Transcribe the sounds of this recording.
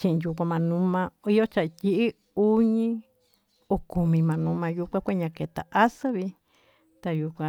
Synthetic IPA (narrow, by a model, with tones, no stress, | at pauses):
t͡ʃĩ˧ʔĩ˧ju˧kʷã˧mã˧nũ˧˦mã˧i˦jo˦t͡ʃa˧˨˧ti˦ʔi˦ | u˦ɲĩ˦ | o˧ku˨mĩ˧mã˨˧nũ˧˦mã˧ju˧kʷã˦kʷe˦ɲã˧ke˨t̪a̰˨ʔa˦sɨ˦βi˧ | t̪a˧ju˧kʷã˧